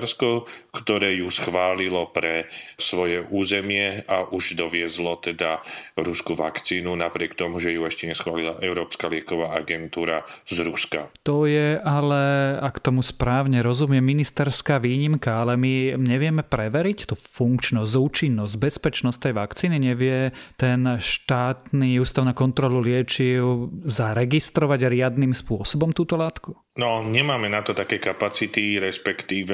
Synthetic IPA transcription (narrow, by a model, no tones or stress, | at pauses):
ɾskɔkt̪ɔɾɛːjusxʋaːlilɔpɾɛsʋɔjɛʔuːzɛmɪɛaʔuʒd̪ɔʋɪɛzlɔt̪ɛd̪aɾuskuʋa̰kt͡siːnunapɾɪɛkt̪ɔmuʒɛjuɛʃcɛɲɛsxʋaːlilaʔɛʊɾɔːpskalɪɛkɔʋaːʔaɡɛnt̪uːɾazɾuska̰t̪ɔjɛʔalɛakt̪ɔmuspɾaːʊɲɛɾɔzumɪɛminist̪ɛɾskaːʋiːɲimkaalɛmiɲɛʋɪɛmɛpɾɛʋɛɾict̪ufuŋkt͡ʃnɔzɟuːt͡ʃinːɔzɟ̚bɛspɛt͡ʃnɔst̪ɛjʋakt͡siːniɲɛʋɪɛt̪ɛnʃt̪aːt̪niuːst̪aʊnaːkɔnt̪ɾɔlulɪɛt͡ʃiʊzaɾɛɡist̪ɾɔʋaɟɾɪad̪nimspʊɔsɔbɔmt̪uːt̪ɔlaːt̪ku̥ | nɔɲɛmaːmɛnat̪ɔt̪akɛjkapat͡sit̪iɾɛspɛkt̪iːʋɛ